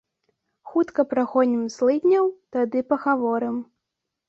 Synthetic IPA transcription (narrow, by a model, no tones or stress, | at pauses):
xut̪kɐpɾaxɔnʲimslˠɨd̪ʲnʲɐwt̪ad̪ɨpɐɣavɔɾɨm